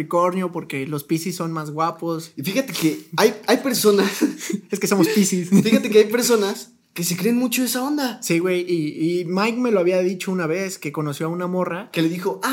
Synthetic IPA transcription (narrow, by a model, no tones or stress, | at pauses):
iko̞ɾnjopo̞ɾke̞lo̞spisisːo̞nmazɣwapo̞sifixat̪e̞keajajpe̞ɾso̞naseske̞somospisisfixat̪e̞keajpe̞ɾso̞nas | ke̞se̞kɾe̞ːnmut͡ʃo̞esao̞nd̪asiɣwe̞jiːmajkme̞loaβiaðit͡ʃo̞unaβe̞ske̞ko̞no̞sjo̞aunamo̞rake̞leðixo̞ʔa